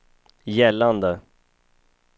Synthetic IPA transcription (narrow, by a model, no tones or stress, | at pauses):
jɛlːand̪ə